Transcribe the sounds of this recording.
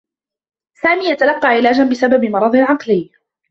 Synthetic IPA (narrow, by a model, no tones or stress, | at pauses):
saːmiːjat̪alɑqːɑːʕɪlaːd͡ʒanbɪsababɪmɑɾˤɑd̪ˤɪlʕɑqlɪjː